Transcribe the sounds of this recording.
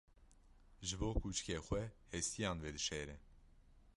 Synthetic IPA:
ʒɨboːkʰuːt͡ʃkeːxʷɛhɛst̪ʰijɑːnvɛd̪ɨʃɛːɾɛ

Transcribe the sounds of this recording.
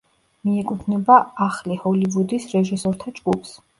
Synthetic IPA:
miɛkʼut̪ʰnɛbaaχlihɔlivud̪isɾɛʒisɔɾt̪ʰad͡ʒɡupʰs

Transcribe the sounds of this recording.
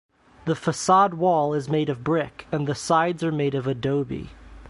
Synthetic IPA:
ðəfəsɑd̚wɔlˠɪzmeɪɾʌvbɹɪkɨ̃nðɨsaɪdzə˞meɪɾʌvɨdoʊbḭ

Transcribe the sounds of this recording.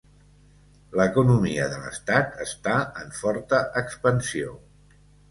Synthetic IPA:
ləkunumiəðələ̰st̪at̪əst̪aəɱfɔɾt̪əʔəkspənsio

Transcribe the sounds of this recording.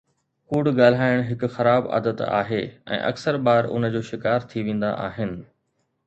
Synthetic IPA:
kuːɽɠaːl̤aːɪɽ̃ɦɪkʊxɐɾaːba̰ːd̪ət̪a̰ːɦeːɛ̰̃ːʔɐ̰ksəɾɓaːɾʊ̰nə̆d͡ʑoːʃɪkaːɾt̪ʰiʋẽːn̆d̪a̰ʔaːɦɪnɪ̆

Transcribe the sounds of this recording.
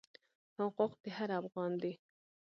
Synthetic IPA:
hʊquqd̪eɦaɾafɣɑnd̪e

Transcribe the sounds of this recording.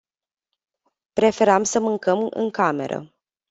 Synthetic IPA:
pɾe̞fe̞ɾamsəmɨŋkəmɨ̰ŋkame̞̰ɾʔə̰

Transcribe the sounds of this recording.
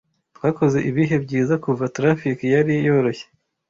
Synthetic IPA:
twaːko̞ze̞ʔiβiɦe̞bɟiːzakuvatɾafikjaɾijejo̞ɾoçe

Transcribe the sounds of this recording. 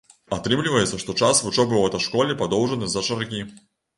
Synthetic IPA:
at̪ɾɨmlʲɪvɐjɛt̪sɐʂt̪ɔt͡ʂasvʊt͡ʂɔbɨvɛt̪ɐjʂkɔlʲɛpad̪ɔwʐənɨzɐt͡ʂɐɾkʲi

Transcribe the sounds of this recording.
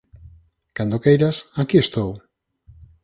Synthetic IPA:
kand̪okejɾasakiest̪ow

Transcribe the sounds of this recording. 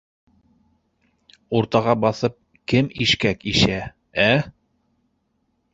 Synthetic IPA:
uɾt̪ɑʁɑbɑθɤp̚ | kɘmiʃkækiʃæ | æ

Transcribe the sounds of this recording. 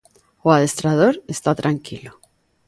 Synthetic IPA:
waðe̞st̪ɾaðoɾest̪at̪ɾʔaŋkilo

